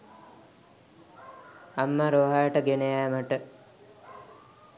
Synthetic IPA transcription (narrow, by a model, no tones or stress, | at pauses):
amːaɾoːɦajəʈəɡenejæːməʈə